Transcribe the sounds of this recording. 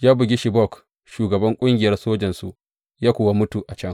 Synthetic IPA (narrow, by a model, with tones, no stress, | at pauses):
jaː˦bʊ˨ɡʲi˦ʃi˨bɔ˦˨k | ʃuː˨ɡɐ˨bɐ˦ŋkʷʼʊ˦ŋɡʲɪ˨jɐ˦rsoː˦d͡ʒɐ˨nsṵ˨ | jaː˦kʷoː˨wa˦mʊ˦tu˨ʔa˨t͡ʃɐ˦ŋ